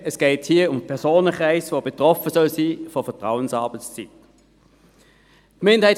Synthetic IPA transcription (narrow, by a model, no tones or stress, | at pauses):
ɛsɡ̥ɛːthiːɐʊmpʰɛɐsoːnəkʁaɪsʋoːbetʁɔfəsœlsiːfɔfɛɐtʁaʊənsɑːbət͡st͡sit | tmɪndəhaɪ